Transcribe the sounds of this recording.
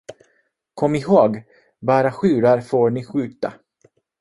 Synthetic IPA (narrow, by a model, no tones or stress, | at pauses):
kʰɔmːɪɦoːɡ | bɑːɾaɧʉ̟ːɾaɾfoːɳɪɧʉ̟ːt̪a̰